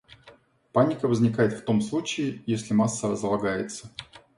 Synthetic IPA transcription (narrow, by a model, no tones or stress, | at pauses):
panʲɪkəvəzʲnʲɪkajɪt̪ft̪o̞mslˠut͡ɕɪɪjesʲlʲɪmasːəəzlˠɐɡajɪt̪sə̥